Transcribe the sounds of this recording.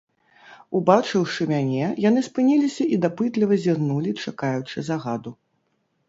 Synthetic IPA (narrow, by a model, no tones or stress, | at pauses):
ubat͡ʂɨwʂɨmʲanʲɛjanɨspɨnʲilʲisʲɐʔid̪apɨt̪lʲivɐzʲirnulʲit͡ʂakajut͡ʂɨzaɣad̪u